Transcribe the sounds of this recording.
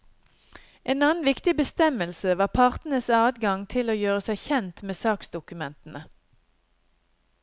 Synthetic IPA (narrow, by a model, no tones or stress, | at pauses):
ʔeːnɑːn̩ʋɪkt̪ɪbəst̪ɛməlsəʋɑːpʰɑʁt̪n̩əsɑːd̪ɡɑŋt̪ʰɪloːjøːʁəsæɪçɛnt̪meːsɑːksd̪ʊkʉmɛnt̪n̩ə